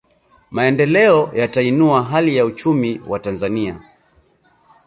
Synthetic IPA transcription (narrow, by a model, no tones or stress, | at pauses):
maɛndɛlɛɔjatainuaɦalijaut͡ʃumiwatanzania̰